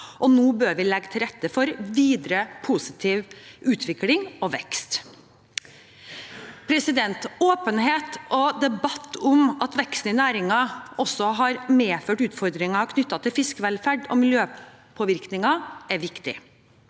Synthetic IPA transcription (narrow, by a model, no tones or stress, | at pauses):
ʔɔnoːbøːɾʋɪlɛɡːt̪ʰɪlɾɛt̪ːəfɔɾʋiːd̪ɾəpʰuːsɪt̪ʰiːʋʔʉːt̪ʰʋɪklɪŋɔʋɛkst̪ | pʰɾɛsɪd̪ɛnt̪oːpənɦeːt̪ʔɔd̪ɛbɑt̪ʰːʊmʔɑt̪ʋɛkst̪n̩ɪnæːɾɪŋɑʔɔsːɔɦɑɾmeːføːʈʉːt̪fɔɾd̪ɾɪŋɑkʰnʏt̪ːɑt̪ʰɪlfɪskəʋɛlfæɖɔ̰mɪljøː | pʰɔːʋɪɾknɪŋɑɛɾʋɪkt̪ɪ̰